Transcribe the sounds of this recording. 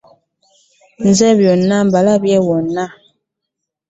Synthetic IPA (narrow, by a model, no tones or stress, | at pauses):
nzɛbjɔnːam̩balabjɛwɔnːa